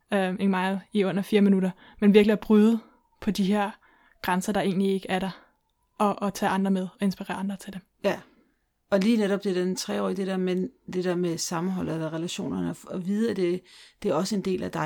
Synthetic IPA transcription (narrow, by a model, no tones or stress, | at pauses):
øe̝nmɑ̈ɪðˠiɔ̽n̰ɐfiːɐminuɾɐ | menʋiɐɡ̥liæɐb̥ʁyð̩ˠ | pʰɒ̽d̥iɦe̝ɐ̰ | ɡ̥ʁansɐd̥ɑ̈e̝̰ːnlie̝ɡ̥əʔæɐɾ̥ɑ̈ | ʔɒ̽ʔːt͡sʰɛ̰ːɑ̈nd̥ʁɐmeð̞ˠɒ̽e̝nsb̥iʁɛ̰ːɐɑ̈nd̥ʁɐt͡sʰed̥em | jæ | ɒ̽liːneɾɒb̥d̥e̝dent͡sʰʁɛ̰ːɒ̰ːid̥ed̥eɐ̰mend̥e̝d̥eɐmesɑ̈mn̩ɦɒ̽l̰ð̩ˠelɐʁɛlæɕo̝̰ːnɐnəɒʋiðˠæd̥e̝d̥e̝æɐɒ̽səe̝nd̥e̝̰ːlæd̥ɑ̈ɪ